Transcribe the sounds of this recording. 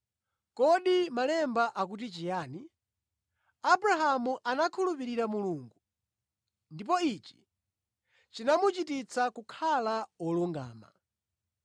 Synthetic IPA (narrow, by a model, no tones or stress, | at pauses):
kɔɗimalɛmbaʔak̬ut̬it͡ʃijaːni | abɾaɦamuʔanakʰulupiɾiɾamuluːŋɡu | ndip̬ɔit͡ʃi̥ | t͡ʃinamut͡ʃitit͡sʰakukʰalaɔluŋɡa̰ːma̰